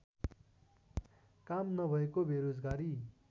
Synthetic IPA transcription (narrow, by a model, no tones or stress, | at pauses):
kamnʌbʱʌekobʱeɾod͡zɡaɾi